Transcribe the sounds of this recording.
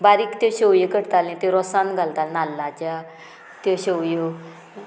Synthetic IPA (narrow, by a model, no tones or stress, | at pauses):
baɾikt̪eɕewjekəɽt̪alẽt̪eɾɔsãnɡʱalt̪alnalːãt͡ɕa | t̪eɕewjo